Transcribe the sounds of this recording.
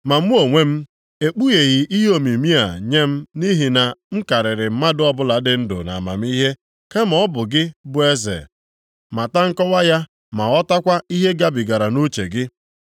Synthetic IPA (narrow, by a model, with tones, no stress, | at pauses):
ma˨m̩˦o˨ŋʷe˦m̩˦ | e˨k͡pu˦ɣe˨ɣɪ˨ʔi˦ɦo˦mi˨mi˦a˨ɲe˦m̩˦ni˦ɦi˨na˨m̩˦ka˨ɾɪ˨ɾɪ˨m̩˦ma˦dʊ˦ɔ˦bʊ˦la˨˦dɪ˨n̩˦dʊ̰˨na̰˨ma̰˨m˦i˦ɦe˦ | ke˦m̩˨ɔ˦bʊ˨ɡɪ˦bʊ˦e˦zḛ˨ | ma˨ta˦ŋ̩˦kɔ˦wa˦ja˦ | ma˨ɔ˦ta˦kʷa˦i˦ɦe˦ɡa˦bi˨ɡa˨ɾa˨no˦t͡ʃḛ˨ɡɪ˦